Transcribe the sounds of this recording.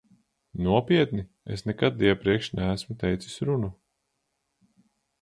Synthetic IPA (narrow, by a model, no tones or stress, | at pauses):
nuɔpiɛt̪ni | ḛsnɛkat̪̚d̪iɛpɾiɛkʃnæːsmut̪ɛjt̪si̥sʲɾunu